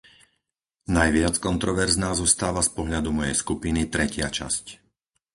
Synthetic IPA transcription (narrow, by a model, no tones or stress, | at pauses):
najʋɪat͡skɔnt̪ɾɔʋɛɾznaːzɔst̪aːʋaspɔɦʎad̪umɔjɛ̰jskupinit̪ɾɛcɪat͡ʃa̰sc